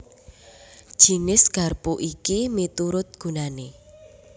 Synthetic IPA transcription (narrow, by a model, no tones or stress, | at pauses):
ʒ̥i̤nɪsɡ̥a̤rpuʔikimit̪uɾʊt̪̚ɡ̥ṳnane